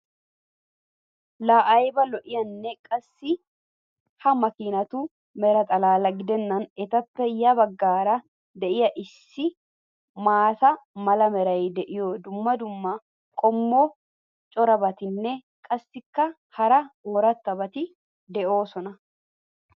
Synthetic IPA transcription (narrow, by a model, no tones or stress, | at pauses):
laːʔɐjɪbɐlɔʔɪjɐnːɛkʼɐsːɪ | hɐmɐkiːnɐt̪uː | mɛɾɐt̪ʼɐlaːlɐɡɪd̪ɛnːɐnɛt̪ɐt̪ːɛjːabɐɡːaːɾa | d̪ɛʔɪjɐʔɪsːɪ | maːt̪ɐmɐlɐmɛɾɐjɪd̪ɛʔɪjoːd̪ʊmːɐd̪ʊmːa | kʼɔmːoː | t͡ʃʼɔɾɐbɐt̪ɪnːɛ | kʼɐsːɪkːɐ | hɐɾɐoːɾɐt̪ːɐbɐt̪ɪ | d̪ɛʔoːsɔnɐ